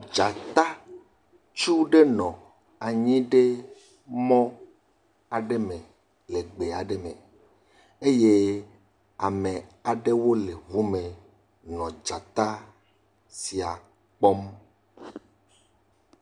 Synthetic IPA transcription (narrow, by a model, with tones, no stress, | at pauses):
d͡ʒa˨t̪a˦ | t͡ʃu˦ɖe˦nɔ̃˨ | a˨ɲĩ˦ɖe˦ | mɔ̃˦ | a˨ɖe˦mẽ˨ | le˨ɡ͡be˨a˨ɖe˦mḛ̃˨ | e˦je˦ | a˨mẽ˨a˨ɖe˦wo˦le˨vu˦mẽ˨ | nɔ̃˨d͡ʒa˨t̪a˦ | si˨a˨ | k͡pɔ˦m